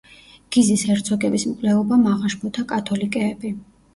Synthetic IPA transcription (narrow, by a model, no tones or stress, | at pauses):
ɡ̥izisɛɾt̪sʰɔɡɛbismkʼlɛɔbamaʁaʃpʰɔt̪ʰakʼat̪ʰɔlikʼɛːbi